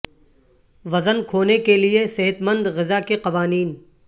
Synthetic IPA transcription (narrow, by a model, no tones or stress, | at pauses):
ʋɐzənkʰoːnekelieseɦət̪mə̃nd̪ɣɪzakeqɐʋaːniːn